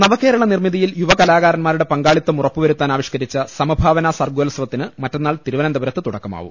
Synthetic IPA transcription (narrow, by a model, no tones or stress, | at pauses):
nɐʋɐke̞ːɾɐɭɐnirmiðijiljuʋɐkɐlaːɣaːɾɐnmaːɾuɽe̞pɐŋɡaːɭit̪ːɐmurɐpːuʋɐɾut̪ːaːnaːʋiɕkɐɾit͡ɕːɐsɐmɐbʱaːʋɐnaːsɐrɡuɐlɐsʋɐt̪ːinɨmɐtːenːaːɭt̪iɾuʋɐnɐnd̪ɐbɐɾɐt̪ːɨt̪uɽɐkːɐma̰ːʋṵm